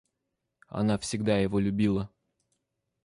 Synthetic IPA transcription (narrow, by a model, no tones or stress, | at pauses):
ɐ̰nafsʲɪɡd̪ajɪvolʲʉbʲilˠə